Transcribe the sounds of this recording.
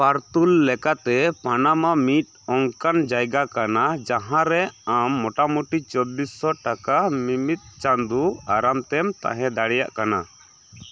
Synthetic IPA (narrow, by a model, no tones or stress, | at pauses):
paɾt̪ulːɛkat̪ɛpanamamit̪̚ | ɔŋkand͡ʒajɡakanad͡ʒaɦãɾɛamːɔʈamuʈit͡ʃɔbːisːɔʈakamimit̪̚ˀt͡ʃand̪uaɾamt̪ɛmt̪a̰ɦɛ̃d̪aɽɛjaʔkana